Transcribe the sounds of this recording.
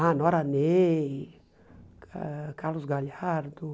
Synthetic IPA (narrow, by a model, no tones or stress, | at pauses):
ãnɔɾane | akalusɡalhaɾd̪u